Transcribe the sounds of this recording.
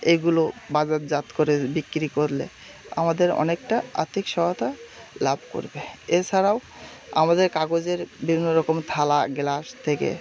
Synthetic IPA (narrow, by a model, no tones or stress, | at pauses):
eɡulobad͡ʑat̪d͡ʑat̪koɾebikːɾikoɾlḛ | a̰mad̪eɾɔ̰nek̚ʈaa̰t̪ʰikʃɔɦot̪alabʱko̰ɾbeet͡ɕʰaɾaw | a̰mad̪eɾkaɡod͡ʑeɾbibʱinːoɾɔkomt̪ʰalaɡlast̪ʰekḛ